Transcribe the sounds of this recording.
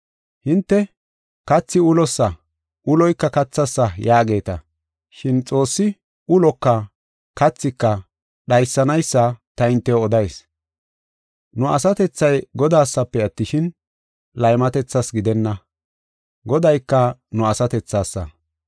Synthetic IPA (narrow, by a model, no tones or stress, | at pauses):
hɪnt̪ːɛ | kɐt͡sːɪʊlɔsːɐ | ʔʊlɔjkːɐkɐt͡sːɐsːɐjaːɡe̞ːt̪ɐ | ʃɪnt͡sʼo̞ːsːɪ | ʊlɔkːɐ | kɐt͡sːɪkːɐ | ɗɐjsːɐnɐjsːɐt̪ɐɪnt̪ːɛɔd̪ɐjs | nʊʔɐ̰sɐt̪ɛt͡sːɐjɡɔd̪aːsːɐpːɛɐt̪ːɪʃɪn | lɐjmɐt̪ɛt͡sːɐsɡɪd̪ɛnːɐ | ɡɔd̪ɐjkːɐnʊɐsɐt̪ɛt͡sːaːsːɐ̰